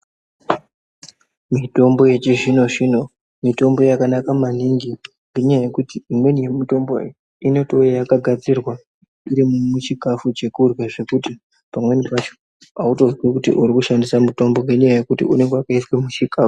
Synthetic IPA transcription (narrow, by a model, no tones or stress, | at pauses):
mito̞mbo̞je̞t͡ʃiʐino̞ʐino̞ | mito̞mbo̞jakanakamaniŋɡi | ŋɡeɲajaje̞kutiimwe̞nije̞mito̞mboe | ino̞tojejakaɡʱad͡zirwa | iɾimumut͡ʃikafut͡ʃe̞kurweʐe̞kuti | pamwe̞nipat͡ʃo̥ | auto̞zwekutḭʔuɾikuʃandisamuto̞mbo̞ŋɡeɲajaje̞kutḭune̞ŋɡewakaiswemut͡ʃikaːfu̥